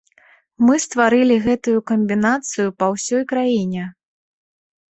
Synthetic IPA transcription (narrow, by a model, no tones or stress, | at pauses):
mɨst̪vaɾɨlʲiɣɛt̪ujukɐmʲbʲinat̪sɨjupɐwsʲɔjkɾajinʲɛ